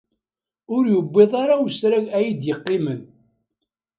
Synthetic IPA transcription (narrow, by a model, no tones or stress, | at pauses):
ʊɾjəbːɪðˤɑɾawəsɾæʝæjid̪jəqːɪmən